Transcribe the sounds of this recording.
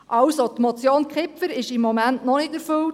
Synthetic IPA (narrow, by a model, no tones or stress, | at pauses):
ʔɑwsot̪mot͡sjoːnkχɪpfəɾɪʃɪmːɔmæntnɔnɪtəɾføw